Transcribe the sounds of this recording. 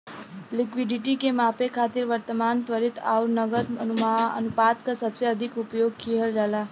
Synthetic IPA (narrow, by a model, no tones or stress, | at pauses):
lɪkʋiɖiʈikemapekʰaːt̪iɾʋəɾt̪əmant̪ʋəɾit̪a̰wɾnəɡəd̪ənumaə̰nupat̪kasəbseəd̪ʱikupjoɡ̚kʰiɦəld͡ʒala